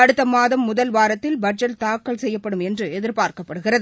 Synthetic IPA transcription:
ɐɽɯt̪ːɐmaːðɐmːʊðɐlʋaːɾɐt̪ːɪlbɐʈd͡ʒɐlt̪aːkːɐɭsɛjːɐpːɐɽɯmɛndrɯɛðɪɾpaːɾkɐpːɐɽɯɣɪrɐðɯ

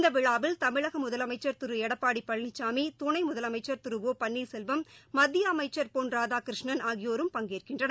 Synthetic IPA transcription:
nd̪ɐʋɪɻaːʋɪlt̪ɐmɪɻɐɣɐmʊðɐlɐmɐɪt͡ʃːɐɾt̪ʊɾɯɛɽɐpːaːɽipːɐɭnɪt͡ʃːaːmit̪ʊɳɐɪmʊðɐlɐmɐɪt͡ʃːɐɾt̪ɯɾɯʋoːpɐɳːiːɾsɛlʋɐmːɐd̪ːɪjɐːmɐɪt͡ʃːɐɾpoːnɾaːðaːkɪɾɪʂɳɐnaːɣɪjoːɾɯmpɐŋɡeːrkɪndrɐn

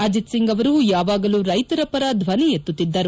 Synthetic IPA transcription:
ɐd͡ʒit̪siŋɡɐʋɐɾujaːʋaːɡɐluɾɐjt̪ɐɾɐpɐɾɐd̪ʱʋɐnijet̪ːut̪ːid̪ːɐɾu

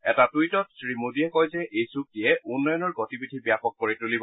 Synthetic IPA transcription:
ɛtatujtɔtsɹimudiɛkɔjzɛʔejsuk̚tijɛunːɔjɔnɔɹɡɔtibidʱibijapɔk̚ːoɹitulibɔ

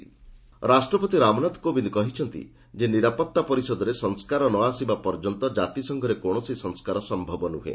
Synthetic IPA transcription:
ɾasʈɾɔpɔt̪iɾamɔnat̪kobind̪kɔɦit͡ʃʰɔnt̪ḭ | d͡ʒeniɾapɔkt̪ːapɔɾisɔd̪ɔɾesɔŋskaɾɔnɔasibapɔɾd͡ʒɔnt̪ɔd͡ʒat̪isɔŋɡʱɔɾekoɽ̃ɔsisɔŋskaɾɔsɔmbʱɔbɔnṵɦḛ

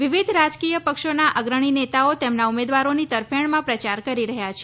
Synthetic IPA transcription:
ʋiʋid̪ʱɾad͡ʒkijəpəkʃonaʔəɡɾəɳ̃inet̪aot̪emnaumed̪ʋaɾonit̪əɾfeɳmãpɾət͡ʃaɾkəɾiɾəɦjat͡ʃʰe

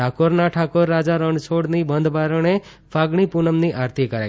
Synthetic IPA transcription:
akoɾnaʈʰakoɾːad͡ʒaɾəɳɖt͡ʃʰoɽnibənd̪ʱbaɾəɳe | fʰaɡɳ̃ipunəmniʔaɾt̪ʰikəɾa̰

